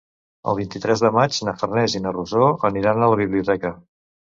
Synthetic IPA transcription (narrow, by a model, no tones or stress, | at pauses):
ə̰lˠβ̞int̪it̪ɾɛzðəmad͡ʒnəfərnɛzinəruzoəniɾanələβiβliut̪ɛkə